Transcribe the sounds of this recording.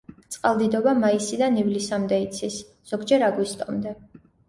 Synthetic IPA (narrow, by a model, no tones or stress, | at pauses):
t̪sʼqʼalˠd̪id̪ɔbamaisid̪anivlisamd̪ɛit̪sʰis | z̥ɔɡd͡ʒɛɾaɡwist̪ʼɔmd̪ɛ